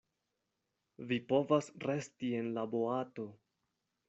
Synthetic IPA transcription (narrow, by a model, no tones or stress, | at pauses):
vipo̞vasɾe̞stie̞nlabo̞ato̞